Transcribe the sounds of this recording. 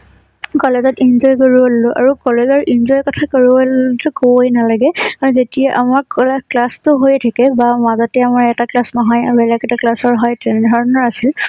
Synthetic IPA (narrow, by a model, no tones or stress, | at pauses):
kɔlezɔtinzɔjkoɹuwallʊʔa̰ɹukɔlezɔɹʔinzɔjkɔtʰakoɹuatʊkojnalaɡɛaɹuzetijaʔamaɹkklastʊɦojtʰakɛbamazɔtɛamaɹɛtaklasnɔɦɔjabɛlakɛtaklasɔɹɦɔjtʰɛndʱɔɹɔnɔɹasil